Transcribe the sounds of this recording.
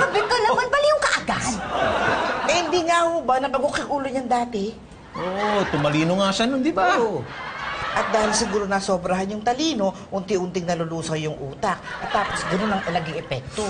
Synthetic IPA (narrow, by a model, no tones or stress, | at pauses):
ɐbɪt̪onɐmɐnbɐlijʊŋkɐʔaɡad̪ | ʔɛhɪnd̪iːŋahoːbɐnɐkɐɡokɪŋʔuːloɲɐŋd̪aːt̪ɪ | ʔoʔot̪ʊmɐliːnoŋaʃanond̪ɪba | ʔɐt̪̚d̪aːhɪlsɪɡuːɾo̞nɐsoːbɾɐɦanjʊŋt̪ɐliːno̞ʔʊnt̪ɪʔʊnt̪ɪŋnɐlʊluːsɐjʊŋʔuːt̪ɐk̚ʔɐt̪ːaːpo̞sɡɐno̞nɐŋɐlɐɡɪŋɛpɛk̚t̪o̞